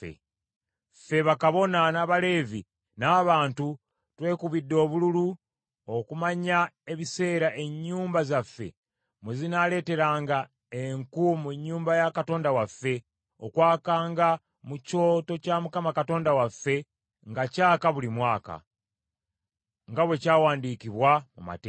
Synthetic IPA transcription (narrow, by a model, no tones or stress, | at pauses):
ḛ | fe̞βakaβo̞nanaβale̞ːvi | naːβaːntu | twe̞ːkuβidːo̞ːβululu | o̞kumaɲae̞βise̞ːɾaʔe̞ɲːuːmbazafːe̞̰ | muzinale̞ːte̞ɾaːŋɡa | eŋkumuɲːuːmbajakato̞ːndawafːe̞ | o̞̰kwaːkaːŋɡa | muco̞ːto̞camukamakato̞ːndawafːe̞ | ŋɡacaːkaβulimwaːka̰ | ŋɡaβwe̞caːwaːndikiβwamuma̰te